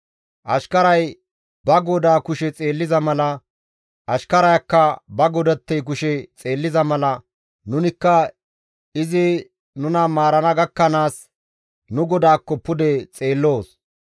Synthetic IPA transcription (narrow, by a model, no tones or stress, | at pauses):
ʔɐʃkɐɾɐj | bɐɡɔd̪aːkʊʃɛt͡sʼe̞ːlːɪzɐmɐlɐ | ʔɐʃkɐɾɐjɐkːɐbɐɡɔd̪ɐt̪ːɛjk̬ʊʃɛt͡sʼe̞ːlːɪzɐmɐlɐ | nʊnɪkːɐ | ɪzɪ | nʊnɐmaːɾɐnɐɡɐkːɐnaːs | nʊɡɔd̪aːkːɔpːʊd̪ɛt͡sʼe̞ːlːo̞ːs